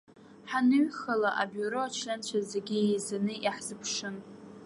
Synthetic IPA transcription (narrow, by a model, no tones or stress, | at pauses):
ħanɨɥχalaʔa̰buɾoat͡ʃʰlʲant͡ɕʷʰazeɡʲiejzanɨʔiħz̥ɨpʰʂɨn